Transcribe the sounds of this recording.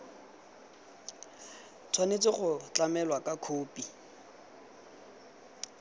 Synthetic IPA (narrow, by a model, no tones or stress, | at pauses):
t͡sʰwanet͡sɪχʊt͡ɬamɛlwakakʰoːpʼi